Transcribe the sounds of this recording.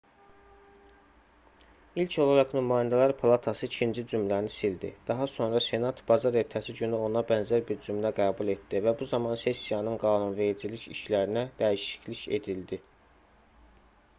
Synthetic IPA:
ilcʰo̞lˠɑɾɑχnymɑːjind̪ælɑɾpʰɑlˠɑt̪ʰɑsɯicʰind͡ʒid͡ʒumlæɾnisild̪ḭd̪̥ɑɦɑso̞nɾɑse̞nɑt̪ʰb̥ɑzɑɾe̞ɾt̪ʰæsiɟynyo̞nɑbænzæɾbiɾd͡ʒymlæɡæːbulˠe̞t̪̚d̪̥ivæbuzɑmɑnse̞sijɑnɯnɡɑːnunve̞ɾid͡ʒiliçiʃlæɾinæd̪̥æiʃi̥cʰliçe̞̰d̪ild̪i

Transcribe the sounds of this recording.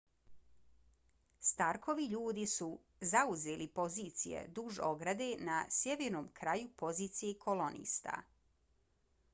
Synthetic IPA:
st̪aɾkʰo̞ʋiʎuːd̪isu | zauze̞ːlipo̞ziːt̪sijḛd̪uʒo̞ɡɾad̪e̞nasjeʋeɾno̞ːmkɾajupo̞ziːt̪sijekʰo̞lo̞nḭːst̪a̰

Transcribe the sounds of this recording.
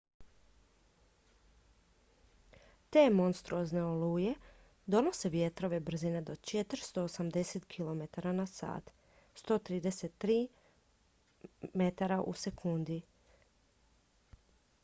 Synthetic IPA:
t̪e̞ːmo̞nst̪ɾuozne̞oluːje̞ | d̪o̞no̞se̞ʋje̞t̪ɾo̞ʋe̞br̩zine̞d̪o̞t͡ʃet̪ɾst̪o̞ːsamd̪e̞se̞t̪kʰilo̞me̞t̪aɾanasa̰ːt̪ | st̪o̞ːt̪ɾiːd̪eset̪ːɾiː | me̞t̪aɾaʔṵse̞kʰund̪i

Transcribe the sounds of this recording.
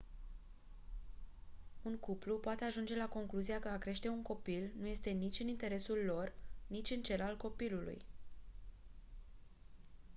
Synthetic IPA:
unkuplupoat̪e̞aʒund͡ʒe̞lako̞ŋkluziakəakɾe̞ʃt̪e̞unko̞pilnuje̞st̪e̞nit͡ʃʲɨnint̪e̞ɾe̞sulːo̞rnit͡ʃʲɨnt͡ʃe̞lalko̞pilulṵj

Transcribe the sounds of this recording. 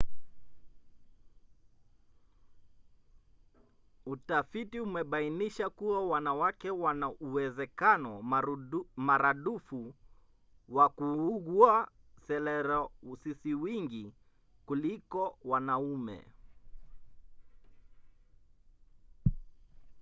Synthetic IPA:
utafitiumɛɓainiʃakuwawanawakɛwanaʔuwɛzɛkanɔ | maɾaɗufu | wakuuɣua | sɛlɛɾɔsisiwiŋɡi | kulikɔwanaumɛ̰

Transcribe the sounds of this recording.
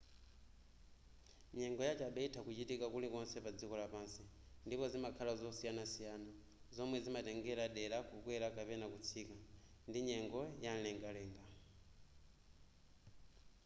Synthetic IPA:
ɲɛŋɡɔjat͡ʃaɓaitʰakut͡ʃitikakulikɔnsɛpad͡zikɔlapansi | ndipɔzimakʰalazɔsijanasijana | zɔmwɛzimatɛŋɡɛlaɗɛɾakukwɛɾakapɛnakut͡sʰika | ndiɲɛŋɡɔjan̩lɛŋɡalɛːŋɡa

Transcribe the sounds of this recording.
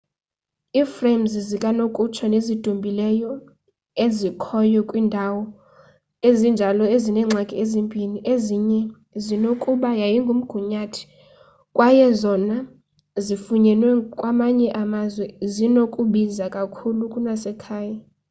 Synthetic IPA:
iːfrem̩zizikʼanokʼut͡ʃʰɔnezid̥ʱumbʱilɛjɔ | ezikʰɔjɔkʼwiːndʱawɔ | ezind͡ʒʱalɔezinɛːŋ͡ǀʱakʼiezimpʼiniʔeziɲɛ | zinokʼuɓajajiŋɡʱum̩ɡ̥ʱuɲatʰi̥ | kʼwʔajɛzɔna | zifuɲɛlwɛkʼwamaɲɛʔamazwɛzinokʼuɓizakʼakʰulukʼunasɛkʰaːja

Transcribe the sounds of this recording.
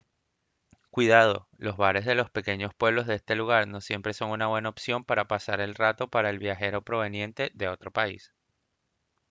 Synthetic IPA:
kwiðað̞o̞̰lo̞zβaɾe̞zðe̞lo̞spe̞ke̞ɲo̞spwe̞β̞lozðeest̪e̞luɣ̞aɾno̞sje̞mpɾe̞so̞ŋunaβwe̞naopsjo̞mpaɾapasaɾe̞lrat̪o̞paɾaelβjaxe̞ɾo̞pɾo̞βe̞nje̞nt̪e̞ðe̞o̞t̪ɾo̞paḭs

